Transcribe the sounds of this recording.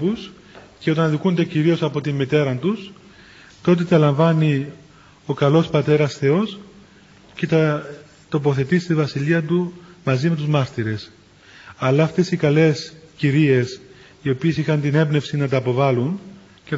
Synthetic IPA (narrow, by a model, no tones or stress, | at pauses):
pus | ceo̞t̪ɐnðikund̪eciɾio̞sɐpo̞t̪immit̪e̞ɾɐnt̪us | t̪o̞t̪̬e̞t̪ɐlɐɱvɐni | o̞kɐlo̞spɐt̪e̞ɾɐsθe̞o̞s | ce̞t̪ɐ | t̪o̞po̞θe̞t̪ist̪ivɐsiliɐt̪umɐzime̞t̪uzmɐɾt̪iɾe̞s | ɐlːɐːft̪e̞sikɐle̞sciɾie̞s | io̞pie̞sixɐnt̪ine̞bne̞fsinɐt̪ɐːpo̞vɐlun | ce